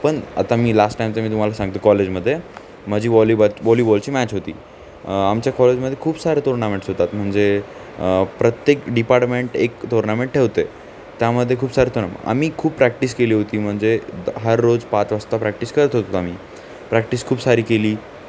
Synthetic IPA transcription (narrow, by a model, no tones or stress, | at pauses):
pəɳa̰t̪amiːlasʈːajmt͡səmiːt̪um̤alasãŋɡt̪okɔled͡ʑməd̪ʱːje | məd͡ʑʱiːʋɔlibaʋɔlibɔlt͡ɕiːmæt͡ɕɦot̪ḭː | amt͡ɕjakɔled͡ʑməd̪ʱːjekʰuːbsaɾet̪oɾnamẽɳʈsɦot̪at̪m̤əɳd͡ze | pɾət̪jekɖipaɾʈmeɳʈekt̪oɾnameɳʈ̚ʈʰeʋt̪e | t̪jaməd̪ʱːjekʰuːbsaɾeːt̪ʰonam̰a̰miːkʰuːppɾæk̚ʈiːskeliːɦot̪iːm̤əɳd͡zeɦəɾːod͡zpat͡sʋəst̪apɾækʈiskəɾət̪ɦot̪oamiː | pɾækʈiːskʰuːbsaɾiːkeliː